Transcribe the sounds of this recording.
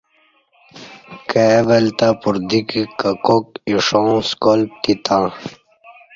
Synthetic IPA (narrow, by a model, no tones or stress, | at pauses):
keʋelt̪apuɾd̪ikikɐkokiʂõːskolp̚t̪it̪ãː